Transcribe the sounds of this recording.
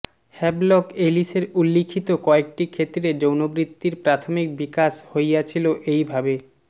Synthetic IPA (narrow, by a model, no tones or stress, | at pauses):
hɛblɔkeliʃeɾulːikʰit̪okɔek̚ʈikʰet̪ːɾed͡ʑownobɾit̪ːiɾpɾat̪ʰomik̚bikaʃhojat͡ɕʰiloʔejbʱabe